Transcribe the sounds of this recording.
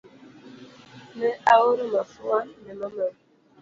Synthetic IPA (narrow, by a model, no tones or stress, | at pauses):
neawoɾomafuanemɔmɛ